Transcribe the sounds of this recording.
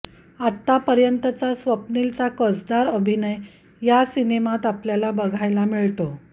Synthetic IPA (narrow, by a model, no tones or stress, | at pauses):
at̪ːapəɾjənt̪ət͡sasʋəpnilt͡sakəd͡zd̪aɾəbʱinəj | jasinemat̪apljalabəɡʱajlamiɭt̪o